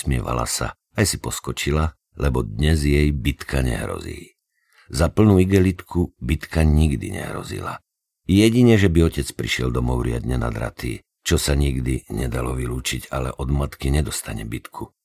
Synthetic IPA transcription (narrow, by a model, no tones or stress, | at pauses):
smɪɛʋa̰la̰sa̰ | ajsipɔskɔt͡ʃila | lɛbɔd̪ɲɛzjɛjbit̪kʰaɲɛ̰ɦɾɔ̰zḭː | zapl̩nuːiɡɛlit̪kʰubit̪kaɲiɡd̪ḭɲɛ̰ɦɾɔ̰zḭla̰ | jɛɟiɲɛʒɛbiɔcɛt͡spɾiʃɪɛld̪ɔmɔʊɾɪad̪ɲɛna̰d̪ɾa̰t̪iː | t͡ʃɔsaɲiɡd̪iɲɛd̪alɔʋiluːt͡ʃiɟalɛ̰ʔɔd̪mat̪kiɲɛd̪ɔst̪aɲɛ̰bit̪kʰu